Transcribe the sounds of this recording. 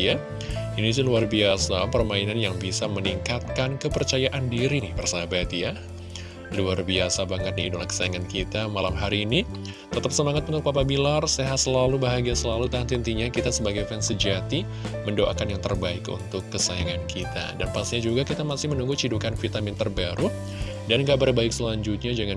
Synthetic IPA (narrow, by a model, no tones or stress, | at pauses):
ja | inis̬iluarbiasapərmainanjaŋbisaməniŋkat̪̚kankəpərt͡ʃajaʔandiɾinɪhbərsabat̪ja | luarbiasabaŋət̪̚niidolakə̥sajaŋankit̪amalamɦaɾiːni | t̪ət̪əp̚səmaŋat̪̚unt̪ʊk̚papabilarseɦat̪səlalubaɦaɡiasəlalut̪ant̪int̪iɲakit̪asəbaɡajfɛnsəd͡ʒat̪i | məndoʔa̰kanjaŋt̪ərbaɪkṵnt̪ʊkːəsajaŋankʰit̪a̰danpakst̪iɲad͡ʒuɡakit̪amasɪhmənuŋɡut͡ʃidukanfit̪amɪnt̪ərbaɾu | danɡabərbaɪksəlaɲd͡ʒut̪̚ɲad͡ʒəŋan